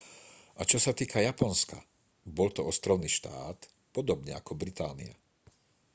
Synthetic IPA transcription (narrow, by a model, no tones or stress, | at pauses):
ʔat͡ʃɔsat̪iːkajapɔnska | bɔlt̪ɔɔst̪ɾɔʊniːʃt̪a̰ːt̪ | pɔd̪ɔbɲɛakɔbɾit̪aːnḭa̰